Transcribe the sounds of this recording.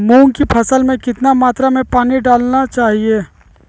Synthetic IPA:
mũːŋkipʰɐsəlmẽkɪt̪namaːt̪ɾamẽpaːniɖaːlnat͡ʃaːɦieː

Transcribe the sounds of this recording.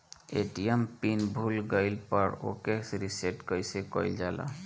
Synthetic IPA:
eʈijampinbʱulɡajlpaɹo̰keksɾiseʈkɔjsɛkɔjld͡ʒala̰

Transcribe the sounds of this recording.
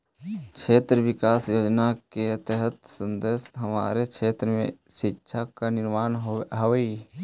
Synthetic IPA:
t͡ʃʰeːt̪ɾəʋɪkaːsjoːd͡ʒnaket̪ɛɦət̪sə̃nd̪est̪ɦəma̰ːɾekt͡ʃʰeːt̪ɾəmḛ̃ | ʃɪtːʃʰakanɪɾmaːnɦəʋi

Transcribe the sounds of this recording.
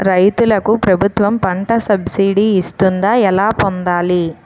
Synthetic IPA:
ɾɐjt̪ulɐkupɾɐbʱut̪ʋɐmpɐɳʈɐsɐbsiːɖiːst̪und̪aːɛlaːpond̪aːli

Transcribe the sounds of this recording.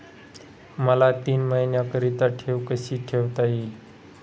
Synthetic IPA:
məlat̪iːnməɦinjakəɾit̪aʈʰeʋkəɕiːʈʰeʋt̪ajiːl

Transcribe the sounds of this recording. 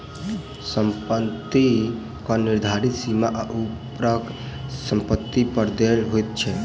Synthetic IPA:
səmpət̪ːi | kɔniɾd̪ʱaɾit̪simaʔaʔupɾəksəmpət̪ːipəɾd̪elɦojt̪̚t͡ʃʰɛ

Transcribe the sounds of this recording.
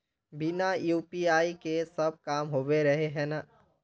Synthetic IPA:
binajuːpiaːikesəb̚ʱkaːmɦoːbeɾəɦeɦɛna

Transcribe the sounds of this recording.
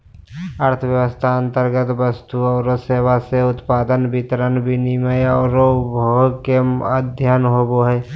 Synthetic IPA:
əɾt̪ʰəʋjəʋəst̪ʰaə̃nt̪əɾɡət̪ʋəst̪uɐːɾoseːʋaseʊt̪paːd̪ənbɪt̪ɾənbʱiniməjəːɾobʱoɡkeəd̪ʱjanɦoːboɦɛː

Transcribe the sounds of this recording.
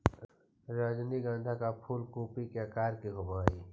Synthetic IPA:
ɾaːd͡ʒniɡãːnd̪ʱakapʰuːlkuːpikeakaːɾkiɦʊmaːiː

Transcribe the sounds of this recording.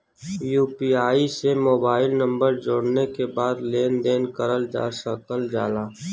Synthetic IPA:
juːpiaːisemoːbaːɪlnə̃mbəɾd͡ʒoːɽnekebaːd̪leːnd̪eːnkəɾəld͡ʒa̰ːsəkəld͡ʒa̰ːlaː

